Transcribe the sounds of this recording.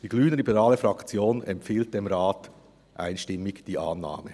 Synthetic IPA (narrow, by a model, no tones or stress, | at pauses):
d̥iːɡ̥lyːnəlibəʁaːləfʁɑkt͡sjoːnɛ̰mpfiːlt̚d̥eːmʁaːt | ʔa̰ɪnʃtɪmːɪd̥iːʔaːnːa̰ːmə